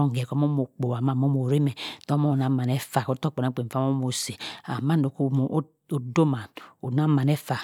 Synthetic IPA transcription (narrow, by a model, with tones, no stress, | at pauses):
ɔ˦ŋ˨ɡɛ˨kɔ˦mo˦mo˨k͡po˨a˨ma˨mo˦mo˨ɾe˦mɛ˨tɔ˦mɔ˦o˨na˨ma˨nɛ˦fa˨ko˦tɔ˦˨k͡pɔ˨na˦k͡pe˨fa˦mo˦mo˨se˨a˨ma˦˨no˨ko˦˨˦ | o˦do˦ma˨no˨na˦ma˨nɛ˦fa˨